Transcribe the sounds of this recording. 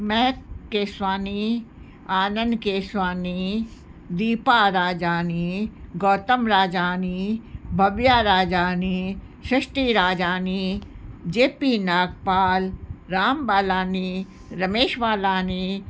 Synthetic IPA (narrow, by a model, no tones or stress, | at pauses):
mɛɦ̪̚keːswaːni | aːnənd̪keːswaːniː | d̪iːpaɾaːd͡ʒaːniːɡɔːt̪əmɾaːd͡ʒaːniːbʱɐbjaːɾaːd͡ʒaːniː | ʃɪʃʈiːɾaːd͡ʒaːnid͡ʒeːpiːnaːk̚paːlɾaːmbaːlaːniː | ɾɐmeːʃʋaːlaːni